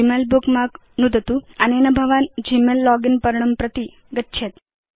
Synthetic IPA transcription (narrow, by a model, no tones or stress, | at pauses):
imelbukmak | nud̪ʱt̪uanenəbʱəʋand͡ʑimelːɔɡinpəɾɳ̃əmpɾət̪i | ɡətːɕʰet̪